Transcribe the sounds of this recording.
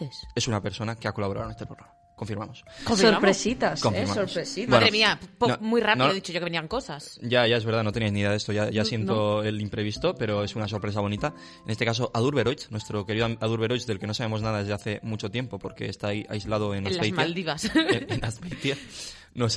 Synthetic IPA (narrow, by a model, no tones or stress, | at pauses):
ese̞sunape̞ɾso̞nake̞ako̞laβɾa̰ðone̞st̪epɾo̞ɾama | ko̞ɱfiɾmamosfsoɾpɾesit̪askomimasoɾɾesibaeðnɾemiapomujrapnoeðit͡ʃoʝokeeniaŋko̞sasʝaʝaeβeɾð̞anot̪eniajzniðeðest̪oʝaʝasje̞nt̪oe̞limpɾe̞βist̪o̞pe̞ɾo̞e̞sunas̬o̞ɾpɾe̞s̬aβ̞o̞nit̪a | enest̪e̞kas̬oʔaðulɾβe̞ɾojt͡snwe̞st̪ɾo̞ke̞ɾiðaðuɾβe̞ɾojt͡ʃðelke̞no̞saβe̞mo̞znaðaðezðeaθe̞mut͡ʃo̞t̪je̞mpo̞po̞ɾke̞ːst̪aiʔa̰jzlað̞o̞enalejmald̪iβasnaspejt̪ja | nos